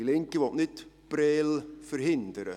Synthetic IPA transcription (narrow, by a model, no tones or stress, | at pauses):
ilɪŋkəʋɔtnɪt | b̥reːlfərɦɪnd̪əɾə̰